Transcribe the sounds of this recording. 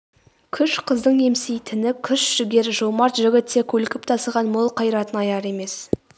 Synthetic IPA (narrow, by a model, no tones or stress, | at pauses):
kʲʰʏʃqʰəzd̪əɴe̞msijt̪ʰɪnɪkʲʰʏʃʒ̥ʏɡʲe̞ɾʒomɑɾt̪ʒʏɡʲɪt̪ʰːekʲʰɵlkʲɪp̚t̪ʰɑsəʁɑnmolˠqʰɑjɾɑt̪ənɑjɑɾe̞me̞s